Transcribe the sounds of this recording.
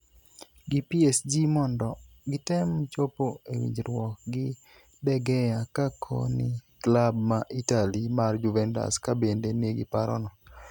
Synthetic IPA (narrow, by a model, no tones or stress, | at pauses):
ɡipiesd͡ʒimɔndɔ | ɡɪtɛmt͡ʃopoewḭɲd͡ʒɾwɔk̚ɡɪ | dɛɡɛjakakʰo̰nɪklabmaʔitalimard͡ʒuvɛnta̰skabendeneɡɪ̰paɾɔ̰nɔ